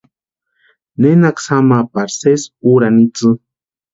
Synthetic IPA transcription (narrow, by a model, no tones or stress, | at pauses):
nenaksamapaɾsesuɾanit͡sɨ